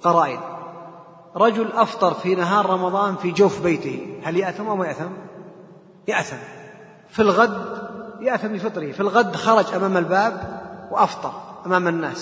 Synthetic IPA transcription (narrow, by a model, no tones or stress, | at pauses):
qɑɾˤɑːʔɪ̰d̪ | ɾˤɑd͡ʒʊlʔɑft̪ˤɑɾˤfinaɦɑːɾˤɾˤɑmɑðˤɑːnfid͡ʒawfbeːt̪ɪhihaljaʔθamʔawmajaʔθam | jɪʔθam | filɣad̪jaʔθamlifɨt̪ˤɾɪfilɣad̪ːxɑɾˤɑd͡ʒʔamaːmalbaːbwʔɑft̪ˤɑɾˤʔamaːmɪnːaːs